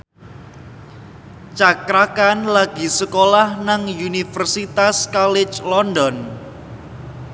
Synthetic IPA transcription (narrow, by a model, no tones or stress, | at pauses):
t͡ʃakɾakanlaɡ̥i̤səkolahnaŋjunifərsit̪askɔlɪt͡ʃlɔndɔn